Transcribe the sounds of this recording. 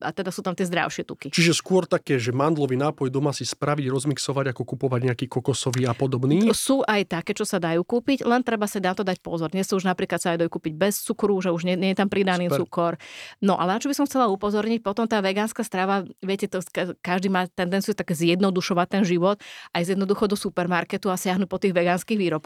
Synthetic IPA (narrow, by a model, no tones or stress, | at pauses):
ʔa̰t̪ɛd̪asuːt̪amt̪ɪɛzd̪ɾa̰ʊʃɪɛt̪ṵkit͡ʃiʒɛskʊɔɾt̪akɛːʒɛmand̪lɔʋiːnaːpɔjd̪ɔmasispɾaʋiɟɾɔzmiksɔʋaɟakɔkupɔʋaɟɲɛakiːkɔkɔsɔʋiːapɔd̪ɔbniːsuːʔajt̪akɛːt͡ʃɔsad̪ajuːkuːpiɟlɛnt̪ɾɛbasad̪amt̪ɔd̪ac̚pɔzɔɾɲɛssauʒnapɾiːklat̪sad̪ajd̪ajukuːpiɟ̚bɛst͡sukɾuʒɛuʒɲɛɲɛjɛt̪ampɾid̪aniːt͡sukɔɾnɔʔa̰lɛnat͡ʃɔbisɔmxt͡sɛlaupɔzɔɾɲic̚pɔt̪ɔmt̪aːʋɛɡaːnskast̪ɾaʋaʋɪɛcɛt̪ɔkkaʒd̪iːmaːt̪ɛnd̪ɛnt͡siut̪akɛːzjɛd̪nɔd̪uʃɔʋac̚t̪ːɛnʒiʋɔt̪ajzjɛd̪nɔd̪uxɔd̪ɔsupɛɾmaɾkɛt̪uasɪaɦnuc̚pɔt̪iːɣʋɛɡaːnskiːɣʋiːɾɔp̚kɔ